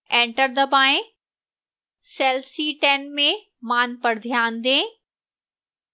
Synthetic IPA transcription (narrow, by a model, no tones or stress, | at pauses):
ẽːɳʈəɾd̪əbaːẽ | sɛːlsiʈeːnmẽ | maːnpɐɽd̪ʱjaːnd̪ẽː